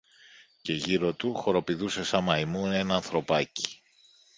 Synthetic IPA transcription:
ce̞ʝiɾo̞t̪uxo̞ɾo̞piðuse̞sɐmɐimunenːnθɾo̞pɐci̥

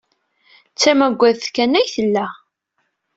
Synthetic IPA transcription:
t͡sːæmæɡʷːæðθkːænæjθəlːæ

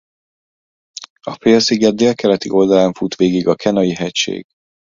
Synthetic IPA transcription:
ɒfeːlsiɡɛd̪̚d̪eːlkɛlɛt̪iʔo̞ld̪ɒlaːɱfut̪ʋeːɡiɡɒkʰɛnɒjiɦɛcʃḛːɡ̥

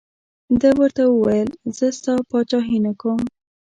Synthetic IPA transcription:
d̪əwəɾt̪awəwajəlz̥əst̪ɑpɑt͡ʃɑɦinakom

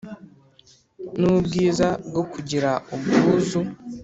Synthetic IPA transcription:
nubɡiːzaɡokuɟiɾaobuuzu

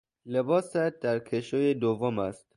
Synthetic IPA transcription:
lebɒːsæt̪̚d̪æɾkʰeʃojed̪ovomæst̪̚

